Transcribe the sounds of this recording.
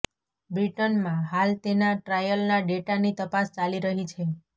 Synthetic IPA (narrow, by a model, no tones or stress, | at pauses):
bɾiʈənmãɦalt̪enaʈɾajəlnaɖeʈanit̪əpast͡ʃaliɾəɦit͡ʃʰe